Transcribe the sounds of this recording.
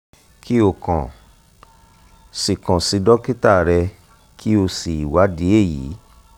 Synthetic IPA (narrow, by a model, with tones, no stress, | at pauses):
kʰi˦o˦˨kã̰˨ | si˨kã˨si˨˧dɔ˦ki˦ta˦˨ɾɛ˧ | kʰi˦o˧si˨i˨wa˨˦di˨˦e˦˨jḭ˨˦